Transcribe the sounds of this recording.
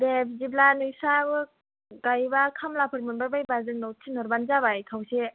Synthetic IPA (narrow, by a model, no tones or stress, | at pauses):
debiziblanɯjsabɯ | ɡajbakʰamlapʰɯɾmɯnbaɾbajbazɯŋnɔwtʰinɔɾband͡ʒabajkʰawse